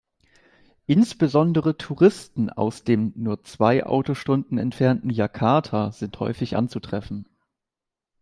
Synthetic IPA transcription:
ʔɪnsb̥əzɔndəʁ̞ətʰuʁɪstn̩a̰ʊsd̥eːmnuːɐt͡sv̥aɪʔa̰ʊtoʃtʊndn̩ɛ̰ntfɛɐntn̩jakʰaɐtʰaːz̥ɪnthɔ̰ʏfɪçʔa̰nt͡sutʁ̥ɛfn̩

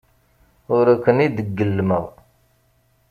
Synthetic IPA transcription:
ʊɾækːənid̪əɡːəlːməʁ

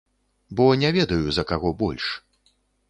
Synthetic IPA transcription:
bɔnʲɛvʲɛd̪ɐjuzɐkaɣɔbɔlʲʂ

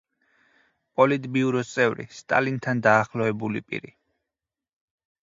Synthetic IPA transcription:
pʼɔlid̪ʼbiuɾɔt̪sʼɛvɾḭst̪ʼa̰lint̪ʰand̪aːχlˠɔɛbulḭpʼḭɾi

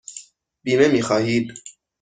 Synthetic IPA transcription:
binɛmixɑːhid̪

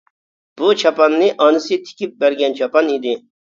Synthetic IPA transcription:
b̥ut͡ʃʰapɑnːɪʔɑnɨsit̪ʰɪ̥kʲip̚bæɾɡʲɛnt͡ʃʰapɑnid̪ɪ

